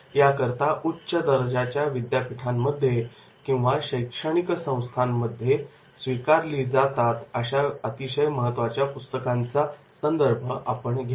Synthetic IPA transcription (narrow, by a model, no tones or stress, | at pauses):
jakəɾt̪aʔutːɕəd̪əɾd͡ʑat͡ɕjaʋid̪japiʈʰamːəd̪ʱːje | kĩw̃ʋaɕəjkʂəɳ̃iksə̃w̃st̪ʰamːəd̪ʱːje | sʋikaɾliːd͡zat̪at̪əɕaət̪iɕəjməɦət̪ʋat͡ɕjapust̪əkant͡sa | sənd̪əɾbʱəʔapəɳɡʱa